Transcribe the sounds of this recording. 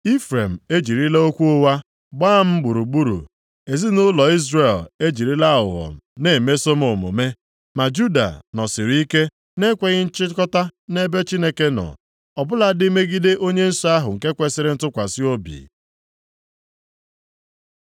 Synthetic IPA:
i˦fɾe˨m̩˨e˦d͡ʒi˨ɾi˦le˦o˦kʷu˦ʊ˦wa˦ | ɡ͡ba˦m̩˦m̩˦ɡ͡bu˨ɾu˨ɡ͡bu˦ɾṵ˨ | e˨zi˦nʊ˦lɔ˨i˦zre˨le˦d͡ʒi˨ɾi˦la˦ʊ̰˨ɦɔ̰˨m̩˨ne˨me˦so˦mo˨mo̰˨me˦ | ma˨d͡ʒu˦da̰˨nɔ˨sɪ˨ɾi˦ke˦ | ne˦kʷe˨ɣɪ˦n̩˦t͡ʃɪ˦kɔ˦ta˦ne˦be˦t͡ʃi˦ne˦ke˦nɔ̰˨ | ɔ˨bʊ˦la˨˦dɪ˦me˦ɡi˦de˦ʔo˦ɲe˦n̩˦su˦a˦ɦʊ˨ŋ̩˨ke˦kʷe˦sɪ˦ɾɪ˦n̩˦tʊ˦kʷa˨sɪ˦o˦bḭ˨

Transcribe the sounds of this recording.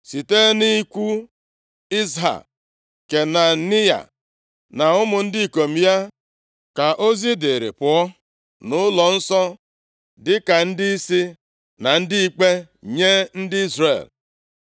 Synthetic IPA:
si˨te˦ni˦kʷu˦ | i˦zɦa̰˨ | ke˨na˨ni˦ja̰˨ | na˨ʊ˦mʊ˨n̩˦di˦˨ko˨m̩˦ja˦ | ka˨ʔo˦zi˦de˨ɾḛ˨pʊ˨˦ɔ˦ | nʊ˦ʊ˦lɔ˨n̩˦sɔ˦ | dɪ˦ka˨n̩˦dɪ˦i˦si˦ | na˨n̩˦dɪ˦i˨k͡pe˦ | ɲe˦n̩˦dɪ˦i˦zrḛ˨l

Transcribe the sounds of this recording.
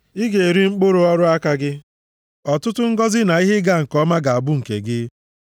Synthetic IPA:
i˦ɡe˨e˨ɾi˦ŋ͡m̩˦k͡po˦ɾʊ˨ɔ˦ɾʊ˦a˦ka˦ɡɪ˦ | ɔ˨tʊ˦tʊ˦ŋ̩˦ɡɔ˦zɪ˦na˨i˦ɦɪ˦ɡa˦˨ŋ̩˨kɔ˦ma˦ɡa˨a˨bʊ˦ŋ̩˨kḛ˨ɡɪ˦

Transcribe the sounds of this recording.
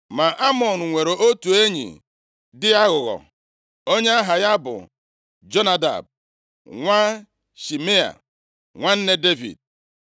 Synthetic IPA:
ma˨ʔa˦mɔ˨n̩˨ŋʷe˨ɾo˨ʔo˦tu˨e˦ɲḭ˨ | dɪ˦a˦ɣʊ˨ɣɔ̰˨ | o˦ɲe˦a˦ɦa˨ja˦bʊ̰˨ | d͡ʒo˦na˨da̰˨b̚ | ŋʷa˦ | ʃi˨me˦a̰˨ | ŋʷa˦n̩˦ne˦de˦vḭ˨d̚

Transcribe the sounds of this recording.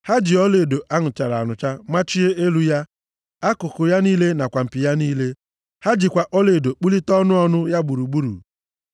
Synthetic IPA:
ha˦d͡ʒɪ˨ɔ˦le˨do˨ʔa˦ŋʊ˨t͡ʃa˨ɾa˨nʊ˨t͡ʃa˦ma˦t͡ʃi˦e˦e˦lu˦ja˦ | a˦kʊ˨kʊ˨ja˦niː˦le˦na˨kʷa˨m̩˨pɪ˨ja˦niː˦le˦ | ha˦d͡ʒɪ˨kʷa˨ʔɔ˦le˨do˨k͡pu˦li˦tɔ˦nʊ˦ɔ˦nʊ˦ja˦ɡ͡bu˨ɾu˨ɡ͡bu˦ɾṵ˨

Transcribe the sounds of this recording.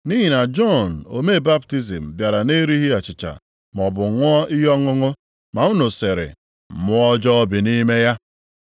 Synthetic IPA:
ni˦ɦi˨na˨d͡ʒɔ˦˨n̩˨o˨me˦˨ba˦p̚ti˦zi˨m̩˨bja˨ɾa˨ne˦ɾi˦ɦi˦a˨t͡ʃɪ˨t͡ʃa̰˨ | m˨ɔ˨bʊ˨ŋʷɔ˦ɪ˦jɔ˦ŋʊ˦ŋʊ˦ | ma˨ʊ˦nʊ˨se˨ɾɪ̰˨ | m̩˨mʊ˦ɔ˦d͡ʒɔ˦bi˨ni˦me˦ja˦

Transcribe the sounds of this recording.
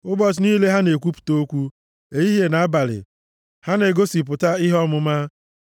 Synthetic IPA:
ʊ˦bɔ˨s̬niː˦le˦ɦa˦ne˨kʷu˦pu̥˨to˦kʷu˦ | e˨i˦ɦe˨na˨a˦ba˨lɪ̰˨ | ha˦ne˨ɡo˦si˨p̬ʊ˨ta˦ɪ˦ɦɔ˦mʊ˨ma˦

